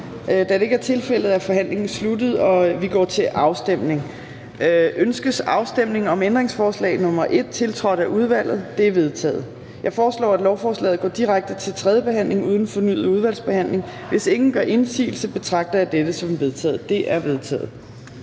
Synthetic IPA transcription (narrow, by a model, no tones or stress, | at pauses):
d̥æd̥e̝e̝ɡ̥æɐt͡sʰe̝lfel̰ð̩ˠæfɒ̽ɦæn̰le̝ŋn̩slud̥ð̩ˠɒ̽ʋiɡ̥ɒ̰ːt͡sʰe̝ʔɑ̈ʊsd̥em̰ne̝ŋ | ʔønsɡ̥əsɑ̈ʊsd̥em̰ne̝ŋɒ̽mend̥ʁeŋsfɒːslɛ̰ɪnɔ̽mɐʔe̝d̥̚t͡sʰe̝lt͡sʰʁɒ̽ɾ̥æʔuð̞ˠʋæl̰ð̞̩ˠd̥e̝æɐʋe̝ð̞ˠt͡sʰɛ̰ːð̩ˠ | jɑ̈ɪfɒːslɒ̰ːæd̥lɒʊfɒːslɛ̰ːð̩ˠɡɒ̰ːd̥iʁaɡ̥̚d̥ət͡sʰe̝lt͡sʰʁɛð̞ˠjəb̥e̝ɦæn̰le̝ŋuːð̞ˠn̩fɒ̽ny̰ːð̩ˠuð̞ˠʋæl̰sb̥e̝hæn̰le̝ŋ | ʋe̝se̝ŋn̩ɡ̥ɶɐʔe̝nsḭːl̩səb̥e̝t͡sʰʁɑ̈ɡ̥̚d̥ɐæd̥ed̥əsɒ̽mʋe̝ðˠt͡sʰɛ̰ːð̩ˠd̥e̝ʔæɐʋe̝ðˠt͡sʰɛ̰ːð̩ˠ